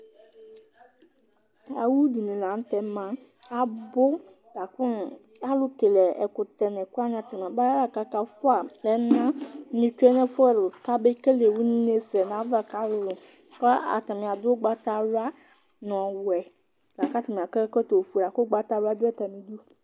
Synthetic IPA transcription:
a̰˨wu˦du˨nĩ˨la˨˦n˦t̪ɛ˦mã˦ | a˨bʊ˦ | d̥a˨kʊ˦n˨ | a˦lʊ˦ke˨lɛ˨ɛ̰˨kʊ˨t̪ɛ˨nɛ̃˨kʊ˦a˦ɲã˨t̪ɪ˨mã˨ba˦a˦la˦ka˦ka˦fʊ˦a˨lɛ˦nã˦nĩ˨t͡ʃu˦ɛ˦nɛ̃˦fʊ˦ɛ˨lʊ˨ka˦be˦ke˦le˨wu˦n˦ne˦sɛ˨n˨ã˨˦va˨ka˦lʊ˦lʊ˨ | kɔ˦a̰˨ta˨mĩ˨a˨dʊ˦ɡ͡ba˦t̪a˦wa˦ | n˨ɔ̃˨wɛ˨ | ɡ̥a˨ka˦ta˨mĩ˨a˨kə˦kə˦to˨fu˨la˨kʊ˦ɡ͡ba˦ta˦wa˦dʊ˦ɛ˦t̪a˨mĩ˨du˦

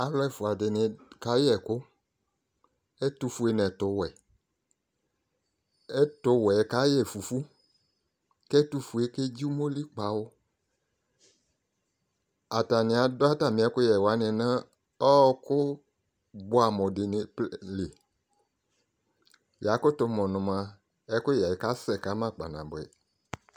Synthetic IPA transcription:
a˨lɛ˦˨fʊ˨a˨dɪ˨nɪ̃˨ka˨˦jɛ˨kʊ˦ | e˦tu˧fu˦e˦nɛ̃˨tʊ˨wɛ˨ | ɛ˦tʊ˧wɛ˨˦ka˦jɛ˦˨fu˨fu˦ | kɛ˦tu˦fu˨e˦ke˦d͡ʒi˦mo˦li˦k͡pa˨wʊ˦ | a˨ta˨nɪ̃˨a˨dɔ˦a˦ta˨mɪ̃˨˦ɛ˦kʊ˦jɛ˨wa˨˦nɪ̃˨nã˦ | ɔ˦kʊ˦ | bʊ˦a˨mɔ̃˨dɪ˨nɪ˨plɪ˨ | ja˨˦kʊ˦tʊ˧mɔ̃˨nʊ̃˨mã˨ | ɛ˦kʊ˦ja˨ɛ˨ka˦sɛ˨ka˦mã˦˨k͡pa̰˨nã̰˨bʊ˨ɛ̰˨

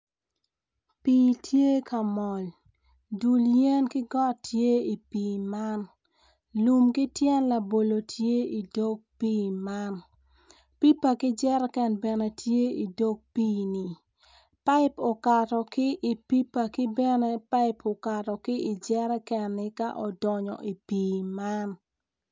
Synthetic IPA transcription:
pi˨tʰje˦ka˨mɔ˨l | du˨ljɛ˦nkɪ˦ɡɔ˦tje˦i˨piː˨ma˦n | lu˨mkɪ˦tjɛ˦nla˨bo˨lo˨tʰje˦i˨do˦ɡ̚piː˦ma˦n | pi˦pa˨kɪ˦d͡ʒɛ˦ɾɛ˦kɛ˨nbɛ˨nɛ˨tje˦i˨do˦ɡ̚piː˦ni˨ | pa˦ɪ˦po˨ka˨tɔ˨kɪ˦ʔi˨pi˦pa˨kɪ˦bɛ˦nɛ˦pa˦ɪpʰo˨ka˨tɔ˨kɪ˦ɪ˨d͡ʒɛ˦ɾɛ˦kɛ˨nːɪ˦ka˦ʔɔ˨dɔ˨ɲɔ̰˨ʔi˨piː˨ma˦n

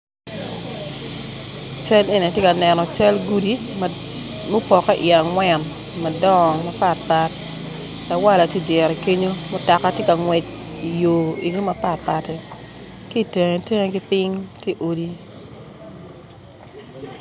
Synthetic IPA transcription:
t͡ʃɛ˦le˦˨ni˨tje˦ka˨nɛ˨nɔ˨t͡ʃɛ˦lɡu˦di˦ | mo˦pɔ˨kɛ˦ʔɪ˨a˨ŋwɛ˨n | ma˨dɔ˦˨ma˨pa˦t̚pa˦t̚ | la˨wa˦la˨te˦˨djɛ˨ɾɛ˨ke˦ɲo˦mo˦ta˨ka˦tje˦ka˨ŋwɛ˨t͡ʃi˨joː˨ḭ˨ɡo˦ma˨pa˦˨t̚pa˨tɛ˨ | ki˦˨te˨ŋe˨te˦ŋe˦ɡɪ˦pɪ˦ŋte˦ʔo˨di˦

